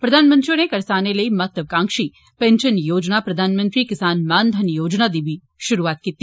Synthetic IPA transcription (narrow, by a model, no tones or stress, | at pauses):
pɾɐd̪ʱaːnmə̃nt̪ɾijonekɐɾsaneləimət̪əʋkãːŋkʃi | pẽnʃənjoːd͡ʒnapɾɐd̪ʱaːnmə̃nt̪ɾikɪsaːnmaːnd̪ʱənjoːd͡ʒnad̪ebi | ʃʊɾuʋat̪̚kit̪ːi